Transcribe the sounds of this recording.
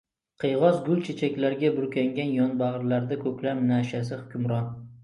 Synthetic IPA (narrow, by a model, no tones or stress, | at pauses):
qʰɨjʁɒzɡʊlt͡ʃʰet͡ʃʰakʲlaɾɡʲabʊɾkʲʰaŋɡʲanjɒnbaʁɾlaɾd̪akʰɵkʲlapnaʃasɪhʊkʲʰʊmɾɒn